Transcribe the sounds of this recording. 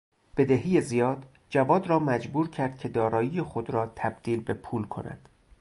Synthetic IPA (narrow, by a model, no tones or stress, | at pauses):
b̥e̞d̪eɦijezijɒːd̪̥ | d͡ʒævɒːd̪rɒːmæd͡ʒbuːɾcʰæɾd̪̥cʰe̞d̪ɒːɾɒːjiːjexo̞d̪ɾɒːt̪ʰæb̥d̪̥iːlbe̞pʰuːlkʰo̞̰næ̰d̪̥